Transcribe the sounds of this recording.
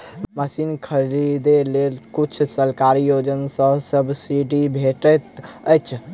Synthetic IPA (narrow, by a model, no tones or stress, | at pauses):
məsinkʰəɾid̪elelkut͡ʃʰsəlkaɾijod͡ʒənsə̃səbsiɖibʱeʈət̪əjt͡ʃʰ